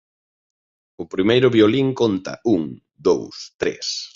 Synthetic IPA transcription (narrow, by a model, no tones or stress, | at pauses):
ʊpɾimejɾʊβioliŋkont̪ɐ̰uŋ | d̪owst̪ɾḛs